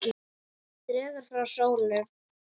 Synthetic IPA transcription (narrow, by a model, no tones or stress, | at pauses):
ɪ | t̪ɾɛːðaɾ̥fɾawsoːwlɛ